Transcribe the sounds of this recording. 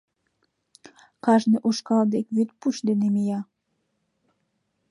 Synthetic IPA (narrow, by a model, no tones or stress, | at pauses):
kɑʒneʔuʃkɑld̪ekβyt̪̚puʃd̪enemijɑ